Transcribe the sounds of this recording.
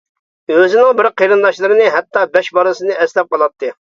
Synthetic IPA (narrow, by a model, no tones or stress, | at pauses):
øzɪnɪŋbɪɾqeɾɨnd̪ɑʃlˠɨɾɨnɨɦɛt̪ːɑbɛʃbɑɾɨsɨnɨʔɛslɛp̚qɑlˠɑt̪ʰːɨ